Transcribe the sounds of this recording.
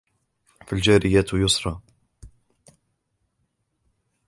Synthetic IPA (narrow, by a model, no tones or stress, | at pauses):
fild͡ʒæɾɪjaːt̪jʊsɾˤɑ